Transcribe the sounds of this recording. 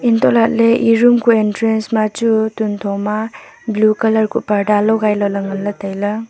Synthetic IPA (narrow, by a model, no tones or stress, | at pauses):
intʰɔlat̚leʔiɾumkuentɾensmat͡ʃutuntʰɔma | blukɐlɐɾkupɐɾdalɔɡajlɔlɐŋɐnlɐtajlɐ